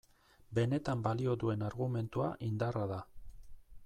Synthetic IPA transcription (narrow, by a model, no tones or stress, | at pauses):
be̞ne̞t̪ambalio̞ðue̞naɾɣume̞nt̪uaʔind̪araða